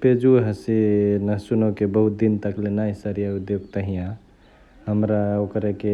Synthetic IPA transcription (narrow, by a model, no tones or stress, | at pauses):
ped͡ʒuɦəsinəsunɔkebəɦut̪̚d̪int̪əklenaisəɾijaud̪joɡt̪əɦijã | ɦəmɾaokɾeke